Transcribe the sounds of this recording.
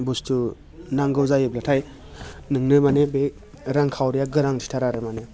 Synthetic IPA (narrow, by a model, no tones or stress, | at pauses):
bustʰu | naŋɡɯwzajɯblatʰaj | nɯŋnɯmanebe | ɾaŋkʰawɾijaɡɯɾaŋtʰi̥tʰaɾaɾɯmane